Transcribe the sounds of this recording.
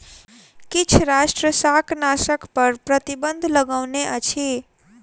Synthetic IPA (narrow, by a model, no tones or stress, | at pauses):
kit͡ʃʰɾasʈɾəsaknasəkpəɾpɾət̪ibənd̪ʱləɡəwneʔət͡ʃʰi